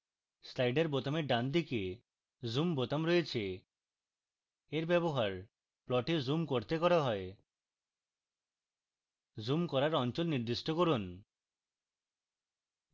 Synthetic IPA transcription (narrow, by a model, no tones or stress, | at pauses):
slajɖeɾbot̪ameɖand̪ike | zumbot̪amɾojet͡ɕʰe | eɾbɛboɦaɾ | plɔʈizumkoɾt̪ekɔɾaɦɔe | zumkɔɾaɾɔnt͡ɕɔlniɾd̪isʈɔkoɾun